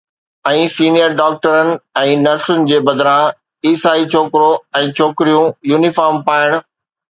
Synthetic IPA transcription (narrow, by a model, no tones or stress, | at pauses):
ɛ̃ːsiːnijəɾɖaːk̚ʈəɾənɪ̆ɛ̃ːnɐɾsənɪ̆d͡ʑeːbɐd̪ɾaː | iːsaːit͡ɕʰoːkɪɾoɛ̃ːt͡ɕʰoːkɪɾijũjuːnɪfaːɾmpaːɪəɽ̃ʊ̆